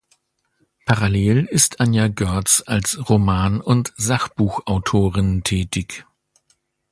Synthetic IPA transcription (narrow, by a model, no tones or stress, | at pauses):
pʰaʁaleːlɪstʰʔanjaɡœɐtsalsʁomaːnʊntz̥aχb̥uːxʔaʊtʰoːʁɪntʰɛːtɪç